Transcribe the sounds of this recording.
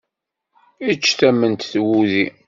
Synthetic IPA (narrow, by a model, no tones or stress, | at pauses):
it͡ʃːθæmːənt̪θwuði